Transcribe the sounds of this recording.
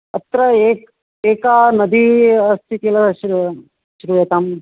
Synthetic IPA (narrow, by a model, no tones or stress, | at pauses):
ɐ̰t̪ɾɐeːk̚ | eːkaːnɐd̪iɐst̪ʰit̪ijɐlɐʃɾ | ʃɾujet̪am